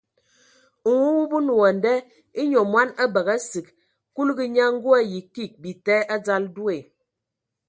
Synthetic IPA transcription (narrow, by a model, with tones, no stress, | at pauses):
wu˦wu˦bu˦nu˨wɔ˨n˨dɛ˦ | i˦ɲo˨mwa˦na˦bə˨ɣa˦si˨k | ku˦lɡi˦ɲa˦ŋ̩˦ɡu˦a˦ji˨ki˦˨k̚bi˨tɛ˦ʔa˦d͡za˦ldu˦e˨